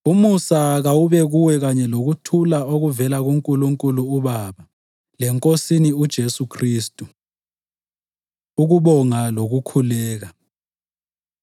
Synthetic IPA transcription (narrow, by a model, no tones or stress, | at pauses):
umusaɣawuβɛɣuwɛɣaɲɛloɣutʰulaoɣuvɛlaɣuŋkʼuluŋkʼuluːβaβa | lɛŋkʼosiniud̥ʒ̥ʱesukʰriːstʼu | uɣuɓɔŋaloɣukʰulɛːɣa